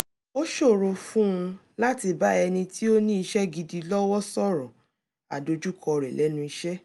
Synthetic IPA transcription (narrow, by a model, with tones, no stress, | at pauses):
o˦ʃo˦˨ɾo˧fũ˦ũ˧ | la˦ti˧ba˦ɛ˧nĩ˧tʰi˦o˦nĩ˦i˧ʃɛ˦ɡi˧di˧lɔ˦wɔ˦sɔ˦˨ɾɔ̃˨ | a̰˨do˧d͡ʒu˦kʰɔ˧ɾɛ˨lɛ˨˦nũ˦i˧ʃɛ˦